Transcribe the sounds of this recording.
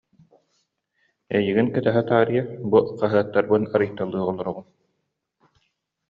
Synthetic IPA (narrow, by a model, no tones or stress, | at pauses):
ɛjiɡinkɛt̪ɛɦɛt̪aːɾijabuqaɦɯɐt̪ːaɾbɯnaɾɯjt̪ːalˠːɯːʁɔlˠɔɾɔʁun